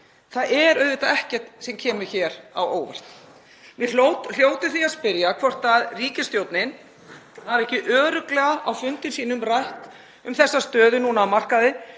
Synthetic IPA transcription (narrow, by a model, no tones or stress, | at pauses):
θaðʔɛɾœðvɪt̪aɛhcɛr̥t̪sɛmcʰɛːmʏ̥çɛːɾa̰woːwva̰r̥t̪n | mjɪlowt̪l̥joːwt̪ʏθiaðspɪɾjakʰvɔr̥t̪aðriːcɪst̪joːwt̪nɪn | aɾɛhcɪʔœːɾʏklɛɣaʔawfʏnt̪ɪnsiːnʏmraht̪ | ʏmθɛsːast̪œːðʏnuːnaːwmar̥kaðɪ